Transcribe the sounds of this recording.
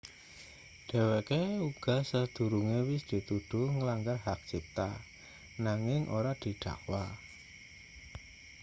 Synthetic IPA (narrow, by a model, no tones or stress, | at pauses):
ɖ̪̥e̤wekeuɡ̥a̤səd̪̥ṳɾuŋewɪsd̪̥i̤t̪ud̪̥uŋəlaŋɡarhak̚t͡ʃip̚t̪a | naŋɪŋʔo̰ɾad̪̥i̤ɖ̥a̤̰ʔwa